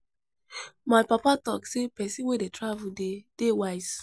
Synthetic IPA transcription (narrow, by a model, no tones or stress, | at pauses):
majpapatɔksepɛsĩwedetɹavuded̥ewaɪz